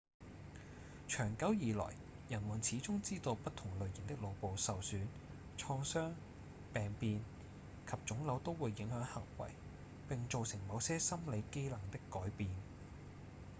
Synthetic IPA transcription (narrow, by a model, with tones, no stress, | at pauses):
t͡ʃʰœː˨˩ŋkɐ˨˥wjiː˨lɔ̰ː˨˩j | jɐ˨˩nwuː˨˩nt͡sʰiː˨˥t͡sʊ˥ŋt͡siː˥t̪o˧wpɐ˥t̚t̪ʰʊ˨˩ŋlɵ˨˧ɥjḭː˨˩nt̪ɪ˥k̚lo˨˧wpo˨wsɐ˨wsyː˨˥n | t͡ʃʰɔː˧ŋsœː˥ŋ | pɛː˨ŋpiː˨˧n | kʰɐ˨p̚t͡ʃt͡sʊ˨˥ŋlɐ˨˧wt̪o˥wwuː˨˧jːɪ˨˥ŋhœː˨˥ŋhɐ̰˨˩ŋwɐ̰˨˩j | pɪ˨ŋt͡ʃo˨˧wsɪ˨˩ŋmɐ˨˧wsɛː˥sɐ˥mle˨˧jke˥jlɐ˨˩ŋt̪ɪ˥kːɔː˨˥jpiː˨n